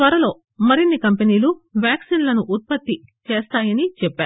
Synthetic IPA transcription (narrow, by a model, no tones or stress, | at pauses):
t̪ʋɐɾɐlo̞ː | mɐɾinːikɐmpeniːluʋjaːksiːnlɐnuʔːt̪̚pɐt̪ːit͡ʃe̞ːst̪aːjɐnit͡ʃɛpːaːɾu